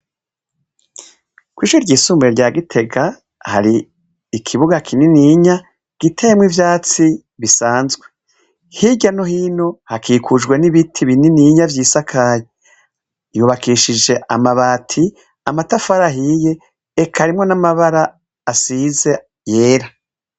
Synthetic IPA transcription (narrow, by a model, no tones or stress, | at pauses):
kwiːʃuɾɟiːsuːmbɾeɾɟaːɡitʰe̞ɡa | ha̰ɾiː | kʰiβuɡakʰininiɲa | ɡ̥itʰemwivjaːt͡si | βisaːnzɡwe̞ | hiɟanohiːno̞hakʰiːkʰud͡ʒɡwe̞niβitʰiβininiɲavjiːsakʰaje | juːβakiʃid͡ʒe̞ʔamaβaːtʰi | amatafaɾaɦije̞ː | kʰaɾimŋo̞namaβaɾaː | size̞ | je̞ːɾa